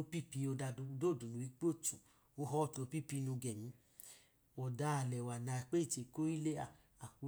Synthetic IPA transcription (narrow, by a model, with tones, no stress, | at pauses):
o˧˦pi˦˨pi˧o˧da˧u˧do˦˨du˨lu˨i˦k͡po˦˨tũ˨ | o˧ɦɔ˦˨to˨˧˦pi˦˨pi˨˧˦nũ˧ɡɛ˨mĩ˨˧˦ | wɔ˨da˧˦a˨lɛ˨wa˨nã˨˧˨k͡pe˦i˦˨t͡ʃe˨ko˦i˦le˦a˦˨ | a˨ku˨˦